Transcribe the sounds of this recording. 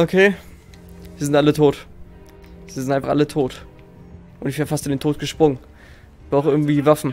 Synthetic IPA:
ʔokʰeː | viːɐzɪntʔalətʰoːt | viːɐzɪntʔaɪnfaχʔa̰lətʰoːt | ʔʊntɪçtv̥eːʁəfastɪndeːntʰoːt̚ɡ̥əʃpʁ̥ʊŋən | b̥ʁaʊxʔɪɐɡŋ̩tv̥iːvafn̩

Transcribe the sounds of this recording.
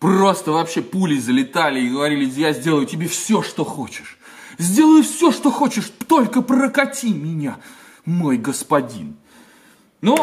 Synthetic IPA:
pro̞st̪əvɐpɕːe̞pulʲɪzəlʲɪt̪alʲɪɪɡəvɐɾʲilʲɪsjazʲdʲe̞lˠəjʊtʲɪbʲefsʲo̞ʂt̪o̞xo̞t͡ɕɪ̥ʂ | zʲdʲe̞lˠəjʊfsʲo̞ʂt̪o̞xo̞t͡ɕɪʂt̪o̞lʲkəprəkɐtʲimʲɪnʲa | mo̞jɡəspɐdʲḭn | nu

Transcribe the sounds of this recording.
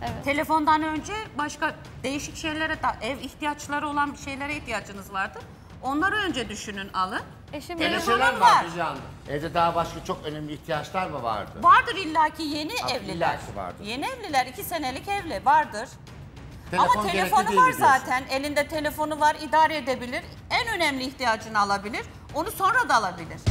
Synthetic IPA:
eɛt̪ʰe̞lʲe̞fo̞nd̪anø̞nd͡ʒɛbaʃka | d̪e̞jiʃicʃe̞jlʲeɾɛd̪aʔɛviçt̪ijat͡ʃlˠaɾɯo̞lˠanʃe̞jlʲe̞ɾɛiçt̪ʰijad͡ʒɯnɯzvaɾd̪ɯɾ̥ | o̞nlˠaɾaø̞nd͡ʒɛd̪yʃynynalˠɯ | elʲeʃelɾvaaɾɾizand̪ɯ | ɛvd̪ɛd̪aːbaʃkat͡ʃʰo̞kønɛmlʲiːht̪ʰijat͡ʃlˠaɾmava̰ɾd̪ɯ̰vaɾd̪ɯɾilʲːaːcʰijeniɛvlʲilʲːæɾcʰiva̰ɾd̪je̞niɛvlʲilʲæɾicʰise̞ne̞lʲicɛvlʲivaɾd̪ɯɾ̥ʰ | eamaoe̞eefo̞nuvaɾzaːt̪ʰænelʲind̪ɛt̪ʰe̞lʲe̞fo̞nuvaɾid̪aːɾɛed̪ebilʲiɾ | ænø̞nɛmlʲiːçt̪ijaːd͡ʒɯnɯalˠabilʲiɾ | o̞nuso̞nɾad̪aːlˠabilʲiɾ̥

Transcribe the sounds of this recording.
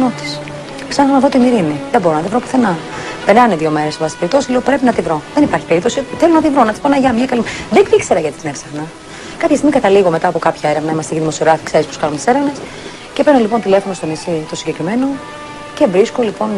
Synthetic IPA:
not̪i̥s | ksɐnɐsɐnɐðot̪imiɾiniðeboɾonɐt̪ivɾopu̥θenɐ | peɾnɐneðio̞me̞ɾesbɐsi̥pe̞ɾip̚t̪o̞sileopɾe̞pinɐt̪ivɾo̞ðenipɐɾçi̥pe̞ɾip̚t̪o̞siθelonɐt̪ivɾonɐt̪i̥sponɐʝɐmɲɐkɐlimðekikse̞ɾɐʝɐt̪it̪ineksɐxnɐ | kɐpçɐst̪iɣmikɐt̪ɐliɣo̞met̪ɐːpo̞kɐpçɐeɾevnɐimɐst̪iciðimo̞sioɣɾɐfi̥kseispo̥skɐnunt̪i̥se̞ɾevne̞s | ce̞penolipo̞nt̪ile̞fo̞no̞st̪o̞nisit̪o̞siɲɟe̞kɾime̞no̞ | ce̞vɾiskolipo̞n

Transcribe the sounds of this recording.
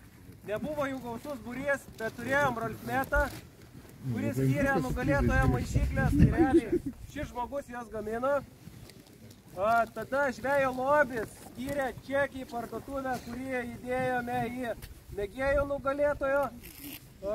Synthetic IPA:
nʲɛbʊʋoːjuːɡɐʊsʊsbʊɾʲiːsbʲɛt̪t̪ːʊɾʲeːjoːmbroːlʲkʲmʲæːt̪ɑ | kʊɾʲɪsʲkʲiːɾʲɛnʊɡɐlʲeːt̪oːjoːmɐɪʃʲiːklʲeːst̪ɐɪɾʲæːlʲiːʃʲɪsʒmoːɡʊsjoːsɡɐmʲɪnoː | t̪ɐd̪ɐʒʲʋʲæːjoːlˠoːbʲɪssʲkʲiːɾʲæːt͡ʃʲæːkʲɪːpɐrd̪oːt̪ʊʋʲækʊɾʲiɛɪd̪ʲeːjoːmʲɛimʲɛɡʲeːjoːnʊɡɐlʲeːt̪oːjoː

